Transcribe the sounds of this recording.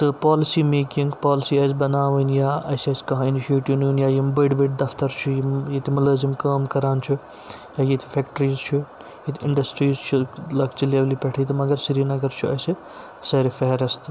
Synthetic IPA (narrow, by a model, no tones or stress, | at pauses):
t̪ɨpaːlɪsiːmeːkɪŋɡpaːlɪsiːɐzbɐnaːʋənjaːɐsɐskɐ̃ɦãːɪniʃieːʈiʋnuːnjaːjimbɐɖbiʈ̚d̪ɐft̪ɐɾt͡ʃʰujijet̪imɐləːzimkaːmkɐɾaːnt͡ʃʰu | jaːjet̪ʰi̥fʰeːkʈɾiːzt͡ʃʰu | jet̪ʰɪ̃ɳɖɐsʈɾiːzt͡ʃʰulɐkt͡ʃileːʋlipɐʈʰiːt̪ɐmɐɡɐɾsiɾinɐɡɐɾt͡ʃʰuɐ̰si | sɐɾifɛɦɾɐst̪